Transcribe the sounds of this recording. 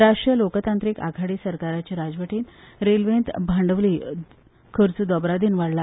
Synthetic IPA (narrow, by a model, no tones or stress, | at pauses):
ɾaʂʈɾijəlokt̪ant̪ɾiːka̰ɡʱaɽiːsəɾkaɾat͡ɕiɾad͡zʋəʈiːnɾelʋent̪bʱaɳɖəʋliː | kʰəɾt͡sud̪ɔbɾad̪iːnʋaɽla